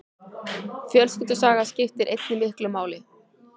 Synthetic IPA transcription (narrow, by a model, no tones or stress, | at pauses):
fjœlscʏt̪ʏsaːɣascɪft̪ɪɾʔejt̪nɪmɪhklʏmaːwlɪ